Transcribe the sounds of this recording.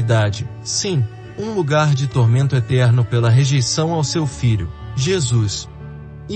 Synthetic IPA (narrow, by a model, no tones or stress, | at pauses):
d̪ad͡ʒɪ | sĩ | ũluɡaɾd͡ʒɪt̪oɾmẽnt̪ʊet̪ɛɾnʊpelɐɦeʒejsɐ̃w̃awsewfiʎʊ̰ʒezus